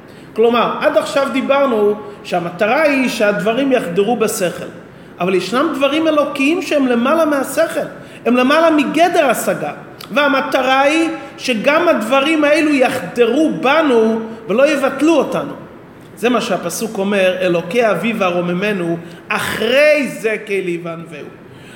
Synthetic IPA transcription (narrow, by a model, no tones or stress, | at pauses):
klo̞maʁad̪aχʃavd̪ibaʁnuʃeamat̪aʁaiʃead̪vaʁimjaχd̪eʁubese̞χe̞̰l | ʔavaljeʃnamd̪vaʁime̞lo̞kiimʃeemle̞malamease̞χe̞l | e̞mle̞malamiɡe̞d̪e̞ʁasaɡa | veamat̪aʁaiʃe̞ɡamad̪vaʁimaelujaχd̪eʁubanuvelo̞jevatluotanu | ze̞maʃeapasuko̞me̞ʁe̞lo̞keavivaʁo̞meme̞nu | aχʁe̞jze̞kejlijvanveṵ